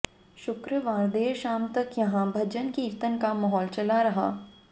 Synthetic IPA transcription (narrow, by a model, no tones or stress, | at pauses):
ʃʊkɾəʋaːɾd̪eːʃaːmt̪ɐkjɐɦãbʱɐd͡ʒənkiːɾt̪ənkamɐɦɔːlt͡ʃɐlaɾɐɦa̰ː